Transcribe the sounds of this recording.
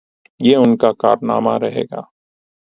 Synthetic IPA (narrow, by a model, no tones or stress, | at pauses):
jeːʊnkaka̰ːɾna̰ːma̰ɾɐɦḛːɡa̰ː